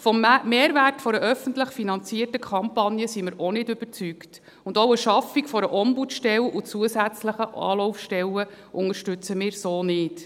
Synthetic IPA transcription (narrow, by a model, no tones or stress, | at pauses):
fɔmmeːɾværtfɔɾəʔœfəntləχfinɑnt͡siːərtəkʰɑmpɑnjəsimɪɾonɪdʏb̥əɾt͡sykt | ʊndoʊəʃɑfikfɔɾəʔɔmbutʃtɛlut͡suəsæt͡sləχəɑ̰ːlɔʊfʃtɛlə | ʔʊŋəɾʃtʉt͡səmɪːɾsoːnɪt